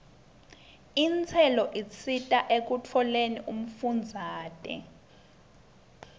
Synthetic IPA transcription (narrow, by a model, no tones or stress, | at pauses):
int͡sʰɛlɔʔit͡sʰitʼaʔek̬ut͡fʰɔleniʔum̩fund͡zʱaːtʼɛ̰